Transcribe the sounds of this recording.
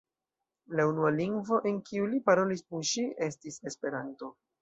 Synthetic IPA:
launualiŋɡvo̞ʔenkiulipaɾo̞lispunʃie̞stise̞spe̞ɾanto̞

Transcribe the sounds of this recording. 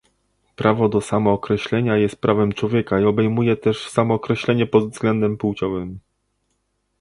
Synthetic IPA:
pɾʔavɔd̪ɔsamɔːkɾɛɕlɛɲajɛst̪̚pɾʔavɛmt͡ʂwɔvʲjɛkaiɔbɛjmujɛt̪ɛʂsamɔːkɾɛɕlɛɲɛpɔd̪zɡlɛnd̪ɛmpuwt͡ɕɔvɘm

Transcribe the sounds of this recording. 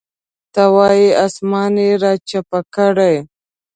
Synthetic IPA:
t̪awɑjiɑsmɑneɾɑt͡ʃapakaɽaj

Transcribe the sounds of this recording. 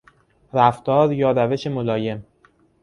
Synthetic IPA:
ɾæft̪ɒːɾjɒːɾæve̞ʃe̞mo̞lɒːje̞m

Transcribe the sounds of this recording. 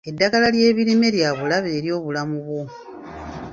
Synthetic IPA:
e̞dːaɡalalje̞ːβiɾime̞ljaβulaβe̞ːɾjo̞ːβulamuβwo̞

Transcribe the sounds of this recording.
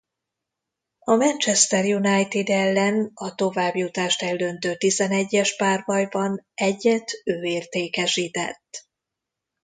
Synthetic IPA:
ɒmɛnt͡ʃɛst̪ɛrjunajt̪id̪ɛlːɛnɒt̪o̞vaːbjut̪aːʃt̪ɛlːø̞nt̪øːt̪izɛnɛɟːɛʃpaːrbɒjbɒnɛɟːɛt̪øːeːrt̪eːkɛʃiːt̪ɛ̰t̪ː

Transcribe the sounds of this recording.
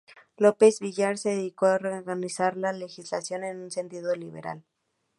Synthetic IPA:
lope̞zβiʝaɾseðeðikoareɾɣanisaɾlale̞xizla̰sjo̞ne̞nunse̞nt̪iðo̞liβe̞̰ɾa̰l

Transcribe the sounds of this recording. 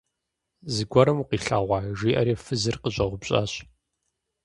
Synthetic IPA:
zɨɡʷɔɾɐmuqiːɬaːʁʷɑːʒiːʔɐɾiːfɨzɨrqəɕʼɐʁʷʊbɕʼa̰ːɕ

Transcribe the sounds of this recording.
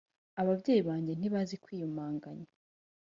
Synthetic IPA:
aβavɟeːjiβaːɲɟe̞n̥iβazikwiːjumaːŋɡaɲa

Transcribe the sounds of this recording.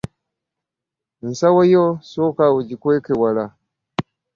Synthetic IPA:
n̩sawajosokawud͡ʒikʷekewala

